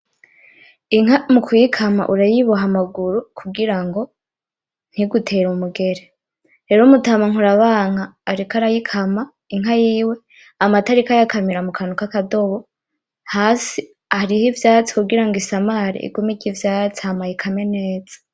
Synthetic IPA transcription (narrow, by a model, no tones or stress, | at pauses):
iŋɦamukujikʰama̰ʔuɾajiβuɦamaɡuɾukʰuɡiɾaŋɡo̞ | n̥hiɡutʰe̞ɾumuɡe̞ɾe | ɾe̞ɾomutamaŋuɾaβaːŋ̥aːɾikaɾajikʰama | iŋɦajiːwe̞ | amataɾikajakamiɾamukʰanukakado̞βo̞ | haːsi | aɾihivjaːt͡si̥kuɡiɾaŋɡisamaɾḭḭɡumiɟivjaːt͡siamajikʰame̞ne̞ːz̥ḁ